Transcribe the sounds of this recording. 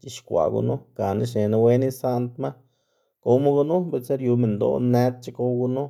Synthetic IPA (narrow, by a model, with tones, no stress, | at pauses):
t͡ʃi˧ʃkʷa̰˨ɡṵ˧nu˦ka˨nḭ˦ʃ̬ne˨na˧we˦ni˦sa˦˧nt̪ma˦ | ko˧wma˦ɡu˧nu˦be˧se˦ɾju˧me˨nd̪o̰˨ne˧˦t̪̚t͡ʃi˦ko˧wɡu˧nu˦